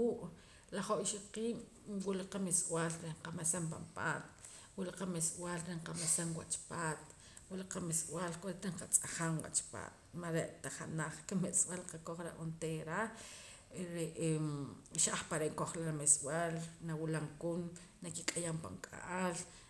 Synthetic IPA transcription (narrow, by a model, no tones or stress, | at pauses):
uʔ | laχoʔiʃoqiːm | wuʔlaqameswaːlɾeɴqamasamp̬a̰mpa̰ːt̪ | wuʔlaqameswalɾeɴqamasaŋwa̰t͡ʃpaːt̪̚ | wulaqameswalkʼoɾet̪aɴqat͡sʼaχaŋwa̰t͡ʃpa̰ːt̪̚maɾeʔt̪aχanaχkamet͡sʼwalqakoχɾa̰ʔont̪eɾa | ɾeʔeʃaχpaɾeʔŋkoχlaɾameswaːlnawilaŋkun | nakikʼajampa̰ŋkʼa̰ʔal